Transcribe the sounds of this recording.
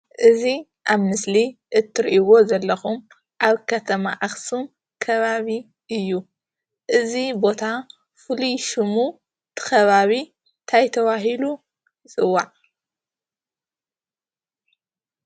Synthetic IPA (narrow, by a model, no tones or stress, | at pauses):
ʔɨzi | ʔaβmɨsliʔɨt̪ʰːɨɾʔiwo̞zɐlːɐxum | ʔaβkʰɐt̪ʰɐmaʔaxsum | kʰɐβaβi | ɨjːu | ʔɨzibo̞t̪ʰa | fɨluʃɨmu | t̪ʰɨ̥xɐβaβi | nt̪ʰajt̪ʰɐβaɦilu | t͡sʼɨwːaʕ